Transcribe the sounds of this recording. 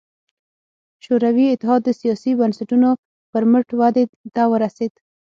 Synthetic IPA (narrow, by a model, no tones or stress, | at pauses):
ʃoɾawiɪt̪ːɪɦɑd̪ːəsijɑsibansaʈuno | pəɾməʈwad̪ed̪awəɾased̪̥